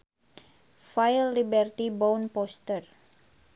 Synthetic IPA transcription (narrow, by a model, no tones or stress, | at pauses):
failːibɛrt̪ibɔwnpɔst̪ər